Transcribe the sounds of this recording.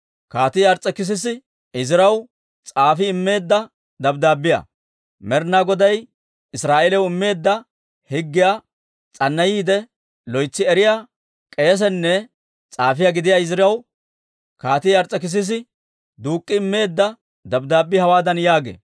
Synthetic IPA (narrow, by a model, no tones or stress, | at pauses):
kaːt̪ɪjɐɾt͡sʼɛkɪs̬ɪs̬ɪ | ɪzɪɾɐw | t͡sʼaːfɪːmːe̞ːd̪ːɐ | d̪ɐbd̪aːbːɪja̰ | mɛɾnaːɡɔd̪ɐj | ɪsɾaːʔelɛwɪmːe̞ːd̪ːɐ | hɪɡːɪjaː | t͡sʼɐnːɐjiːd̪ɛ | lɔjt͡sːɪɛɾɪjaː | kʼeːs̬ɛnːɛ | t͡sʼaːfɪjaɡɪd̪ɪjaːɪzɪɾɐw | kaːt̪ɪjɐɾt͡sʼːɛkɪs̬ɪs̬ɪ | d̪uːkʼːɪɪmːe̞ːd̪ːɐ | d̪ɐbd̪aːbːɪhɐwaːd̪ɐnjaːɡḛː